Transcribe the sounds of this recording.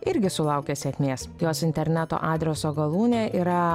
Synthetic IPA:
ɪɾʲɡʲɪsʊlˠɑʊkʲesʲɛkʲmʲeːsjoːsɪnʲt̪ʲɛɾʲnʲɛt̪o̰ːʔɑːd̪ʲɾʲɛsoːɡɐlˠuːnʲeːʔiːɾɐ

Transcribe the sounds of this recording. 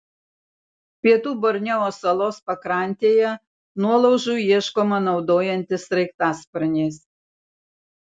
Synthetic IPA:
pʲiɛt̪uːbɔɾʲnʲɛoːsɐlˠoːspɐkɾɑˑnʲt̪ʲeːjɛ | nuɔlˠɐʊʒuːjiɛʃkoːmɐnɒʊd̪oːjɛnʲt̪ʲɪsɾɐɪkt̪ɑːspɐɾʲnʲeːs

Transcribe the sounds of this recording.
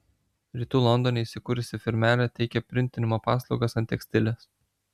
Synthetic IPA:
ɾʲiːt̪uːlˠɔnd̪ɔnʲeiʃsʲɪkuːɾʲʊsʲɪfʲɪɾʲmʲæːlʲɛt̪ʲɛɪkʲɛpʲɾʲɪnʲt̪ʲɪnʲɪmoːpɑːslˠɒʊɡɐsɐnt̪ʲɛksʲt̪ʲɪlʲɛs

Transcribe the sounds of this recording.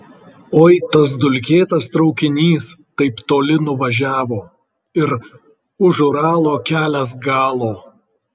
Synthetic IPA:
oːɪt̪ɐs̬d̪ʊlʲkʲeːt̪ɐst̪ɾɒʊkʲɪnʲiːst̪ɐɪpt̪oːlʲɪnʊʋɐʒʲæːʋoː | ɪɾ | ʊʒʊɾɑːlˠoːkʲæːlʲɛs̬ɡɑːlˠoː

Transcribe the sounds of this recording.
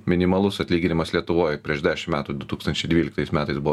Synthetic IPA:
mʲɪnʲɪmɐlˠʊsɐt̪ʲlʲiːɡʲɪnʲɪmɐslʲiɛt̪ʊʋoːjpʲɾʲiɛʒd̪ʲæːʃʲɪmmʲæːt̪uːd̪ʊt̪uːkst̪ɐnʲt͡ʃʲɛɪd̪ʋʲiːlʲɪkt̪ɐɪsmʲæːt̪ɐɪsbʊʋ

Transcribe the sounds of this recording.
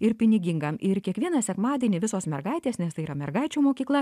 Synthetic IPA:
ɪɾpʲɪnʲɪɡʲɪŋɡɐmɪɾkʲiɛkʋʲiɛnɐsʲɛkmɑːd̪ʲiːnʲɪʋʲɪsoːsmʲɛɾɡɐɪt̪ʲeːsnʲɛst̪ɐɪiːɾɐmʲɛɾɡɐɪt͡ʃʲuːmoːkʲiːklˠɐ

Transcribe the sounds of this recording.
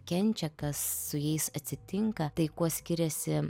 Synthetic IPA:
kʲɛnʲt͡ʃʲɛkɐsːʊjɛɪsɐt̪ʲsʲɪt̪ʲɪŋkɐt̪ɐɪkuɔsʲkʲɪɾʲɛsʲɪ

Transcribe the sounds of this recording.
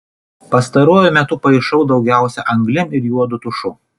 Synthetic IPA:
pɐst̪ɐɾuɔjʊmʲɛt̪ʊpɐɪʃɐʊd̪ɒʊɡʲæˑʊsʲɛʔɐŋɡlʲɪmɪɾjuɔd̪ʊt̪ʊʃʊ

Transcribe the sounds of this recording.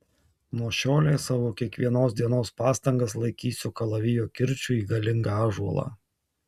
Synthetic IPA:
nuɔʃʲoːlʲejsɑːʋoːkʲiɛkʋʲiɛnoːsd̪ʲiɛnoːspɑːst̪ɐŋɡɐs̬lˠɐɪkʲiːsʲʊkɐlˠɐʋʲɪjoːkʲɪɾʲt͡ʃʲʊiːɡɐlʲɪŋɡɐɑːʒuɔlˠɑ̰ː

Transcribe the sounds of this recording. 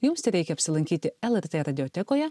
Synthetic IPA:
jʊmst̪ʲɛɾʲɛɪkʲɛɐpʲsʲɪlˠɐŋʲkʲiːt̪ʲɪɛlˠɛɾʲt̪eːɾɐd̪ʲɪɔːt̪ʲɛkoːjɛ

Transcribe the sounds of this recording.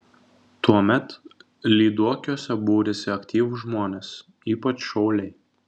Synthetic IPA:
t̪uɔmʲɛt̪ | lʲiːd̪uɔkʲuɔsʲɛbuːɾʲɪsʲɪɐkʲt̪ʲiːʋʊʒmoːnʲeːs | iːpɐt͡ʃʃɐʊlʲɛɪ

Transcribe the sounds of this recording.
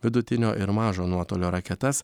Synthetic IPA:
ʋʲɪd̪ʊt̪ʲɪnʲo̰ːʔɪɾmɑːʒoːnuɔt̪oːlʲoːɾɐkʲɛt̪ɛs

